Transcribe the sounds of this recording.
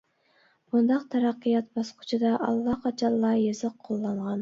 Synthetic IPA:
b̥und̪ɑqt̪ʰɑɾɑqːijɑt̪̚bɑsqʰʊ̥t͡ʃʰud̪ɑʔɑlˠːɑqʰɑt͡ʃʰɑlˠːɑjɑzəqʰːolˠːɑɴʁɑn

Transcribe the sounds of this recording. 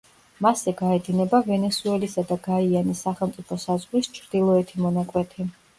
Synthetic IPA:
masɛɡaɛd̪inɛbavɛnɛsuɛlisad̪aɡaianisːaχɛlˠmt̪sʼipʰɔsazʁɾist͡ʃʰɾd̪̥ilˠɔɛt̪ʰimɔnakʼwɛt̪ʰi

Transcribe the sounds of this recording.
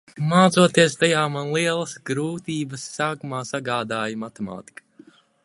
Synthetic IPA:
maːt̪suɔt̪iɛst̪ajaːmanlˠiɛlˠɐsɡɾuːt̪iːbɐsːaːkumaːsaɡaːd̪aːjmat̪ema̰ːt̪i̥kḁ

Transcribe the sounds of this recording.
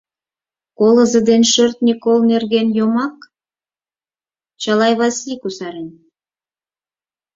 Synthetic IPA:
kolˠə̆zə̆d̪enʃørt̪̚nʲikolˠnerɡʲenjomɑk | t͡ɕɑlˠɑjβɑsikusɑɾenʲ

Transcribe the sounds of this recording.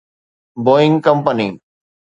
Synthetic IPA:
boːɪ̃ŋɡkɐ̃mpənḭː

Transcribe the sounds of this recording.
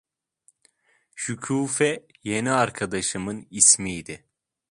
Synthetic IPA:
ʃycʰuːfɛ | jeniaɾkʰad̪aʃɯmɯnismijd̪ɪ

